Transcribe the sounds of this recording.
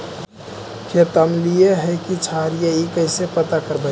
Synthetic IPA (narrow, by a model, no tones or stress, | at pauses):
kʰet̪əmlieɦɛkit͡ʃʰaɾijaikəɪsepət̪akəɾbə